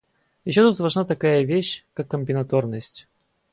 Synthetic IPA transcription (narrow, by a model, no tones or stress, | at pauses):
jɪɕːo̞t̪ut̪vɐʐnat̪ɐkajəvʲeɕkakːəmʲpʲɪnɐt̪ornəsʲtʲ